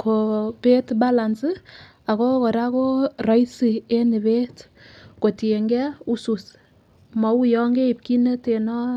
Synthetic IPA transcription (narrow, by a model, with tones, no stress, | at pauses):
kʰo˨pe˦tba˦la˨nsi˦ | a˨kɔ˦kɔ˨ɾa˦ko˦ra˨˦jsi˨e˦nɪ˨be˦t | ko˨ti˨e˨ŋɡɛ˦u˦su˨s | mɔ˨u˦jɔ˦ŋɡe˦i˨p̚ki˦ne˦te˨nɔ˦